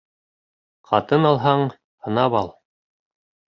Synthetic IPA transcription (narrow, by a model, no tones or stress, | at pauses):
qʰɑt̪ɤnɑlˠɦɑɴ | hɤ̆nɑβɑlˠ